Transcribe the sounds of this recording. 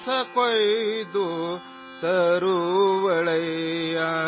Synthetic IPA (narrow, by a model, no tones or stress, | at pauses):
sɐkojd̪u | t̪ɐɾuʋɐɭɐja